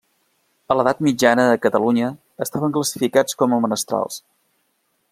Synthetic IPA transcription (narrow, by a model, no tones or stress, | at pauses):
ələðat̪mid͡ʒanəðəkət̪əluɲəː | st̪aβəŋkləsi̥fikat͡skɔməmənəst̪ɾa̰lˠs